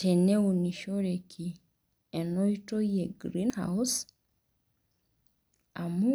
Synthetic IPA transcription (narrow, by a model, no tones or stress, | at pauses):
teneuniʃoɾekʰi | enoitojeɡɾinha̰us | amu